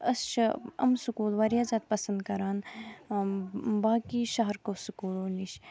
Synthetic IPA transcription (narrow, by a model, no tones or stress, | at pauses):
ɐsʃɐ̰msukuːlʋaɾijaːzaːt̪̚pɐsɐnd̪̚kɐɾaːn | baːkiːʃɐɦɐɾkoːsukuːloːliʃ